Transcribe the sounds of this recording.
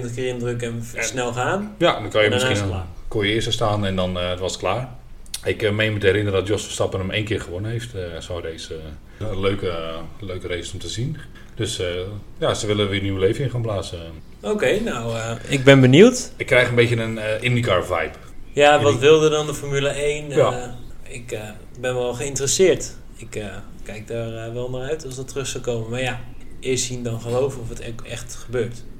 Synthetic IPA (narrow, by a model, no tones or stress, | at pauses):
nəkɪːrɪndrøkɛnsnɛlˠxaːnjadɔkɔjəmɪsinkojəɪːstəstaːnɛndɔnʋɔsətklaːr | ɪkmejmətəɛɾɪnərədɔtjosfə̥stɑpənəmejnkɪːrχəʋonənɦejftsɔwdejs | løːkəløɥkərejssɔmtəzin | d̥øsjasəʋɪlˠəʋɪrniwəleːfəɪnχaːnplaːsə | owkejnowəɪɡ̚bɛnbəniwtɪkːrɛjxənbejcənənʔɪndikaɹvajp | jaʋɔtʋɪlˠdədɔndəfɔrmyləejn | ɪk | bɛnʋɛlˠχəɪntərəsɪːɹt | ɪkə | kɛjk̚daːrʋɛlˠnaːrœɥtɔsdɔtrɵχsɔlˠkowməmarjaɪstindɔnχəlowvənɔfətkɛxtχəbøːɹt